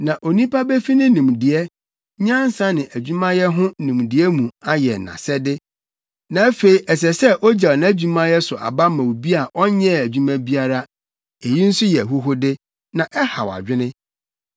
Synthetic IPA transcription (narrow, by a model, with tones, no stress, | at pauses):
nã˨ʔo˨nĩ˦pa˦bɛ˦fi˦nɪ̃˦nĩ˨m˨dɪ˨ɛ˦ | ɲã˦n̩˦sã˦nɪ̃˨ʔæ˨d͡ʑᶣu˦mã˦jɛ˦ɦʊ̃˦nũ˨m˨dɪ˨ɛ˦mũ˨a˦jɛ˨nã̰˨sɛ˦dɪ˦ | nã˨˦fe˨i˨ʔɛ˨s̬ɛ˨sɛ˦ʔɔ˦d͡ʑa˨ñ˦æ˦d͡ʑᶣu˦mã˦jɛ˦sʊ˨ʔa̰˨ba˦mã˨wu˨bi˦a˨ʔɔ˦ɲɛ̃˦˨æ˨d͡ʑᶣu˦mã˦bi˦a˦ɾa˦ | e˨ji˦n̩˦sʊ˦jɛ˨æ˨ɦu˦ɦʊ˦dɪ˦ | nã˨ʔɛ˦ha̰˨wa̰˨d͡ʑᶣɪ˦nɪ̃˦